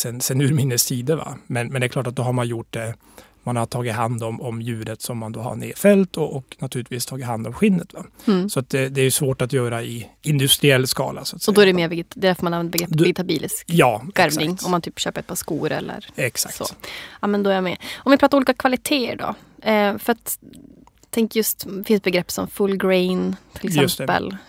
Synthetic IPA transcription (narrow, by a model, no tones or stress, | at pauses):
sɛnsɛnːʉɾmɪnːəsiːd̪əva̰mɛnmɛnd̪ɛklɑːʈat̪̚d̪ɔɦaɾmanjʊʈ̚d̪ɛ | manhat̪ʰɑːɡɪt̪ɦand̪ɔmɔmjʉ̟ːɾət̪sɔmːand̪o̰ːha̰ɳḛːfɛlt̪ʰɔɔknat̪ʰʉ̟ːlɪt̪viːst̪ʰɑːɡɪt̪hand̪ɔmɧɪnːət̪vasɔat̪̚d̪ɛd̪ɛæɾjɵsvoːʈat̪jœːɾaɪɪnd̪ɵst̪ɾɪɛlːskɑ̰ːla̰sɔat̪sɛɔdjd̪ɔæɖɛmeːɾvɛɡ̪d̪ɛd̪æɾfɔɾmananvɛnd̪əbɛɡɾɛpvɛɡɪt̪abiːlskjɑːaɾvnɪŋɔmːant̪ʰyːpɕøːpəɾɛt̪̚pʰɑʂskuːɾɛ̰lːə̰ɾɛksak̚sɔ̰ːaːmɛnd̪ɔæɾjamɛɔmvɪpʰɾɑːt̪ɾmuːliːkakʰvalɪt̪ʰeːə̰ɖɔ̰ | fœɾat̪ | t̪ʰɛŋkjɵst̪ɛfɪns̚bɛɡɾɛpːsɔmfɵlːɡɾɛɪnt̪ʰɪlɪsjɵmspt̪ɛpːə̰l